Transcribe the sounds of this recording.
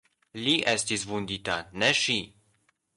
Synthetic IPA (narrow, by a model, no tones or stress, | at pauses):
liʔestisvund̪it̪aneʃi